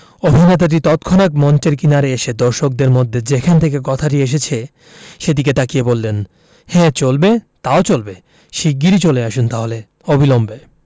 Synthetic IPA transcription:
obʱinet̪̬aʈ̬it̪ɔt̪kʰɔnakmɔnt͡ɕeɾkinaɾeeʃed̪ɔɾʃok̚d̪eɾmod̪ʱːed͡ʑekʰant̪ʰek̬ekɔt̪ʰaʈ̬ieʃ̬et͡ɕʰe | ʃed̪iked̪akiebolːen | hɛ̃t͡ɕolbet̪aot͡ɕolbe | ʃiɡːiɾit͡ɕoleaʃunt̪aɦole | obʱilombe

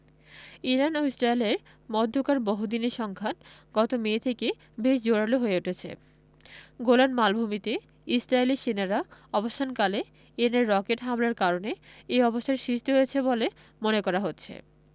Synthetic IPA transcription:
iɾanoisʈɾajleɾ | mɔd̪ʱːokaɾbɔɦud̪ineɾʃɔŋkʰan | ɡɔt̪omeːt̪ʰeke | beʃd͡ʑoɽaloɦoeuʈʰet͡ɕʰḛ | ɡolanmalbʱumit̪e | isɾajliʃenaɾaɔbost̪ʰankale | iɾaneɾːɔkeʈɦamlaɾkaɾoneejɔbost̪ʰaɾeʃɾiʃt̪iɦojet͡ɕʰebole | monekɔɾaɦotːɕʰḛ

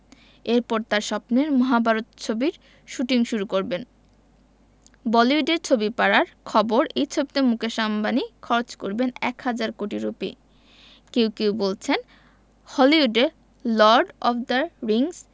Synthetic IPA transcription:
eɾpɔɾt̪aɾʃɔpneɾmɔɦabʱaɾot̪t͡ɕʰobiɾ | ʃuʈiŋʃuɾukoɾben | bɔliuɖeɾt͡ɕʰobipaɾaɾkʰɔboɾejt͡ɕʰobit̪emukeʃambanikʰɔɾot͡ɕkoɾbenɛ̰khad͡ʑaɾkoʈiɾupḭ | kewkewbolt͡ɕʰen | hɔliuɖeɾ | lɔɾɖɔfd̪aɾiŋs

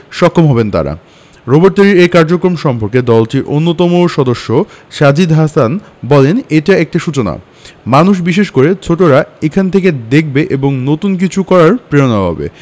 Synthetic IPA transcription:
ʃɔkʰːomɦɔbent̪a̰ɾa̰ | ɾoboɾʈaɾiɾejkaɾd͡ʑokɾomʃɔmpoɾked̪ɔlʈiɾʔonːot̪ɔmoʃɔd̪oʃːoʃad͡ʑid̪ɦasan | bɔleneʈaek̚ʈaʃut͡ɕona̰ | manuʃ̬biʃeʃkoɾet͡ɕʰoʈoɾaekʰant̪ʰeked̪ek̚ʰbeʔeboŋnot̪unk̬it͡ɕʰukɔɾaɾpɾeonaɦɔ̰bḛ

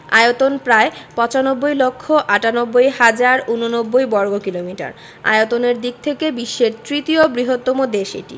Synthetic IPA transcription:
a̰jot̪onpɾaepɔt͡ɕanobːojlokʰːoʔaʈanobːojɦad͡ʑaɾunonobːojbɔɾɡokilomiʈa̰ɾ | a̰jot̪oneɾd̪ik̚t̪ʰekebiʃːeɾt̪ɾit̪iobɾiɦot̪ːomod̪eʃḛʈḭ

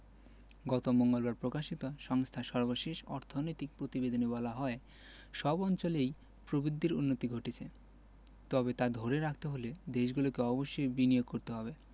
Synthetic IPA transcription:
ɡɔt̪omoŋɡolbaɾpɾokaʃit̪oʃɔŋst̪ʰaʃɔɾboʃeʃɔɾt̪ʰonojt̪ik̚pɾot̪ibed̪onebɔlaɦɔe | ʃɔbɔnt͡ɕolej | pɾobid̪ːiɾunːot̪iɡʱoʈit͡ɕʰe | t̪ɔbet̪ad̪ʱoɾeɾakʰt̪eɦoled̪eʃɡulokeɔboʃːojbinijoɡ̚koɾt̪eɦɔbe

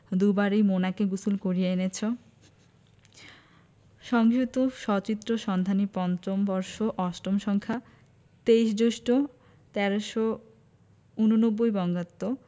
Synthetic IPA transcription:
d̪ubaɾejmonakeɡusulkoɾieenet͡ɕʰo | ʃɔŋɡʱut̪oʃɔt͡ɕit̪ːɾoʃɔnd̪ʱanipɔnt͡ɕombɔɾʃoʔɔʃʈomʃɔŋkʰa | t̪ejʃd͡ʑoʃʈo | t̪ɛɾoʃo | unonobːojbɔŋɡat̪ːo

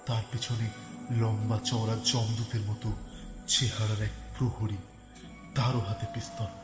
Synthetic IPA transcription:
t̪aɾpet͡ɕʰonelɔŋbat͡ɕɔwɾad͡ʑɔmd̪ut̪eɾmɔt̪ot͡ɕeɦaɽaɾɛk̚pɾohoɽi | d̪aɾoɦat̪epist̪ɔn

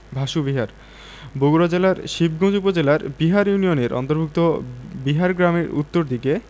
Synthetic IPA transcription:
bʱaʃubiɦaɾ | boɡuɾad͡ʑelaɾʃib̚ɡʱõd͡ʑupod͡ʑelaɾbiɦaɾjunijoneɾɔ̰nt̪oɾbʱuk̚t̪obiɦaɾɡɾamḛɾṵt̪ːoɾd̪ʱike

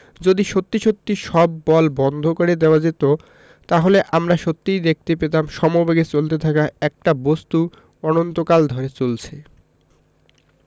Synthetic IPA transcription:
d͡ʑod̪iʃot̪ːiʃot̪ːiʃɔbːɔlbɔnd̪ʱokoɾed̪eoad͡ʑet̪o | t̪aɦoleʔamɾaʃot̪ːijd̪ek̚t̪epet̪amʃɔmobeɡet͡ɕolt̪et̪ʰakaɛk̚ʈabost̪u | ɔnont̪okald̪ʱɔɾet͡ɕolt͡ɕʰe

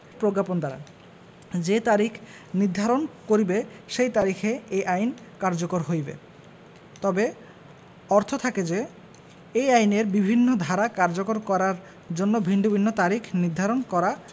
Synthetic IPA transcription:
pɾoɡapond̪aɾa̰ | d͡ʑet̪aɾikʰ | niɾd̪ʱaɾonkoɾibeʃejt̪aɾikʰeejʔajnkaɾd͡ʑokoɾɦojbḛ | t̪ɔbe | ɔɾt̪ʰot̪ʰaked͡ʑe | ejajneɾbibʱinːod̪ʱaɾakaɾd͡ʑokoɾkɔɾaɾ | d͡ʑonːobʱiɳɖubʱinːot̪aɾikʰniɾd̪ʱaɾonkɔɾa

